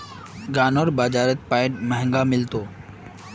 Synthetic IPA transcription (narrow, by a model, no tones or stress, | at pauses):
ɡaːnoːɾbaːd͡ʑaːɾət̪̚paːɪɖmɐɦə̃ŋɡamɪlt̪oː